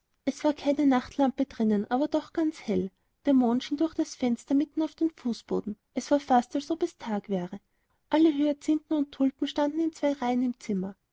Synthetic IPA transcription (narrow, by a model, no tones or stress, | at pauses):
ʔɛsv̥aːɐkʰaɪnənaχtʰlampəd̥ʁɪnənʔaːbɐdɔχɡ̥ant͡shɛl | d̥eːɐmoːnʃiːndʊɐxd̥asfɛnstɐmɪtn̩aʊfd̥eːnfuːsb̥o̰ːdn̩ʔɛsv̥aːɐfastalsɔpɛstʰaːkv̥ɛːʁə | ʔaləɦøːɐt͡sɪntn̩ʊntʰːʊltn̩ʃtandn̩ɪnt͡sv̥aɪʁaɪənɪmt͡sɪmɐ